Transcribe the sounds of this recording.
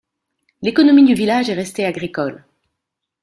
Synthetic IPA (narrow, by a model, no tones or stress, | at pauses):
lekɔnɔmid̪yvilaʒɛʁɛst̪eaɡʁikɔl